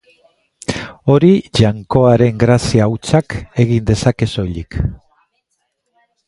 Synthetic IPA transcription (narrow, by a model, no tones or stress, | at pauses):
o̞ɾiʝaŋko̞aɾe̞ŋɡɾasiawt͡sake̞ɣind̪e̞sake̞so̞jʎik